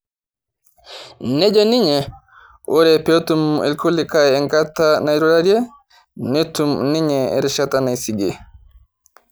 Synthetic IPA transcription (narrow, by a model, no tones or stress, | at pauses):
nɛd͡ʒɔniɲɛ | ʔɔɾɛpetumɛ̰lkʰolːikajɛŋkatːanajɾuɾaɾiɛ | netumniɲɛɛ̰ɾiʃatanajsiɡɛ